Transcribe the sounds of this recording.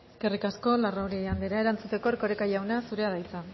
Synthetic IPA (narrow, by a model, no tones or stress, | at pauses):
eske̞rikasko̞larawɾieand̪eɾae̞ɾant͡sut̪e̞ko̞eɾko̞ɾekajawnasuɾe̞aðajt͡sa